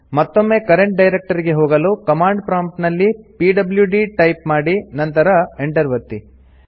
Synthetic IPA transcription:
mɐt̪ːo̞mːe̞ːkɐɾeɳʈ̚ɖɐjɾek̚ʈɐɾiɡe̞ɦoːɡɐluːkɐmaːɳɖpɾaːmʈnɐlːipiːɖɐbljuɖiʈɐjpmaːɽinɐnt̪ɐɾɐeɳʈɐɾʋɐt̪ːi

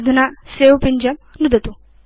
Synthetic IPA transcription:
d̪ʱunasewpiɲd͡ʑɐmnud̪ɐt̪u

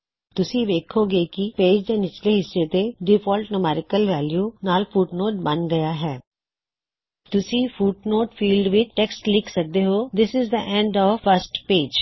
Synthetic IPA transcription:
t̪ʊsĩʋeːkʰoɡekipeːd͡ʒd̪eːnɪt͡ʃleɦɪsːet̪eɖɪfɔːlʈnʊmɛːɾɪkəlʋɛːljuːnaːlfuːʈnoːʈ̚bɐnɡɐjaɦɛː | t̪ʊsĩfuːʈnoːʈfiːlɖʋɪʈɛksʈlɪkʰsək̚d̪eɦoːd̪ɪsɪzd̪əʔɛ̃ɳɖɔːʋfəɾsʈpeːd͡ʒ

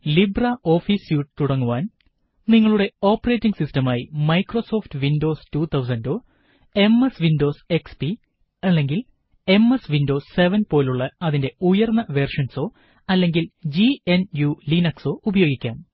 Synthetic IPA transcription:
libraʔo̞ːfiːsjuːʈːt̪uɽɐŋːuʋaːn | niŋːɐɭuɽe̞o̞ːpːɐreːtːiŋɡɨsistɐmaːjimɐjkro̞so̞ːftɨʋindo̞ːstuːt̪ʰɐws̬ɐndo̞ː | e̞mesʋindo̞ːse̞kspi | ɐlːe̞ŋɡil | e̞mesʋindo̞ːsːe̞ʋɐnpo̞ːluɭːɐɐðinde̞ujɐrnːɐʋe̞rʂɐnso̞ː | ɐlːe̞ŋɡild͡ʑienjulinɐkso̞ːʔubɐjo̞ːɡikʲːaːn

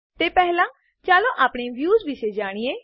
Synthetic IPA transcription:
t̪eːpɛɦlãː | t͡ʃaːlõːʔaːpɽ̃eːʋjuːzʋɪʃed͡ʒaːɽ̃iːẽː

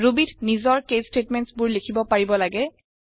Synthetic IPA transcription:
ɹubitnizɔɹkestetmɛntsbʊɹlekʰibɔpaɹibɔlaɡɛ

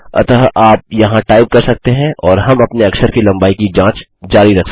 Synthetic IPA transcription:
ɐ̰t̪aʔaːp̚jɐɦãʈaːɪb̚kɐɾsɐk̚t̪eɦɛ̃ʔɔːɾɦɐmɐpneɐksəɾkilɐ̃mbaːikid͡ʒãːt͡ʃ | d͡ʒaːɾiɾɐkʰs

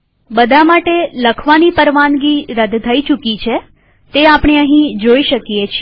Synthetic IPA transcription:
bəd̪ʱamaʈeləkʰʋanipəɾʋanɡiɾəd̪ʱt̪ʰːəit͡ʃukit͡ʃʰe | t̪eapɽ̃eəɦĩd͡ʒoiʃəkjet͡ʃʰi

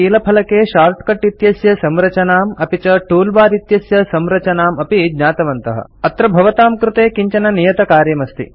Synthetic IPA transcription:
iːlɐpʰɐlɐkeːʃaːɾt̪̚ʰkɐʈːit̪jɐsjɐsɐmɾɐt͡ʃɐnaːmɐpit͡ʃɐʈuːlbaːɾit̪jɐsjɐsɐmɾɐt͡ʃɐnaːmɐpiɡɲaːt̪ɐʋɐnt̪ɐɦɐ̰ɐt̪ɾɐbʱɐʋɐt̪aːmkɾut̪eːkiɲt͡ʃɐnɐnijɐt̪ɐkaːɾjɐmɐst̪ḭ

